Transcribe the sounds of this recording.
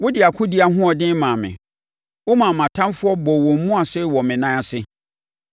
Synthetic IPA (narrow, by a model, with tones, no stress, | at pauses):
wʊ˦dɪ˨a˨kʰʊ̃˦dɪ˨˦a˨ɦʊ̃˦ɔ˨dɪ̃˦mãː˨mɪ̰̃˨ | wʊ˦mã˨mã˨tʰã˦mfʊ˦ɔ˦bɔ˨wɔ̃˨m̩˨˦mũ˦a˨sɛ˦˨wɔ˨mɪ̃˨nã˦a˨sɪ˦